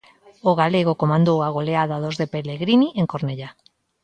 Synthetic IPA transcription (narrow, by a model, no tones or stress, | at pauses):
oɣaleɣ̞okomand̪oaɣ̞oleaðaðozðepeleɣɾiniʔeŋkoɾneʎa